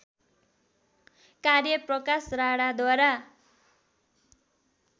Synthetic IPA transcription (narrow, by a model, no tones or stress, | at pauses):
karjʌprʌkasraɽad̪waɾa